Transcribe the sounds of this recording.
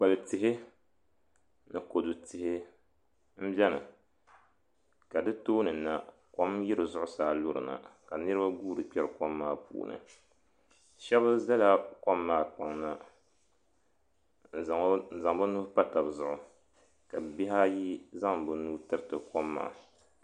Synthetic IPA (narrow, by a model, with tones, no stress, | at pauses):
k͡pa˨lɨ˨tɪ˨ɦɪ˦ | nɨ˨ko˨du˨tɪ˨hɪ˦ | m̩˦bɛ˦nɨ̰˨ | ka˨dɨ˦toː˦nɨ˨nːa˨ | kɔ˦mjɪ˦ɾɨ˨zʊ˦ʔʊ˦saː˨˦lo˦ɾɨ̰˨na̰˨ka˨nɨ˦ɾɨ˦ba˦ɡuː˦ɾɨ˨k͡pɛ˦ɾɨ˨ko˦mːaː˦pṵː˨nɨ̰˨ | ʃɛ˦bɨ˦za˦la˦kɔ˦mːaː˦˨k͡pa˨ŋna˦ | n̩˨za˨ŋbɨ˦nu˦hpa˦ta˨bɨ˨zʊ˦ʔʊ˨ | ka˨bi˦ɦa˦ji˦za˦ŋbɨ˦nuː˦tɨ˦ɾɨ˦tɨ˨kɔ˦mːa̰ː˨˦˨